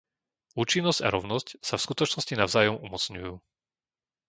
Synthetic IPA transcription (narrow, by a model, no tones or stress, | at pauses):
uːt͡ʃinːɔzca̰ɾɔʊnɔscsafskut̪ɔt͡ʃnɔscinaʊzaːjɔmumɔt͡sɲujuː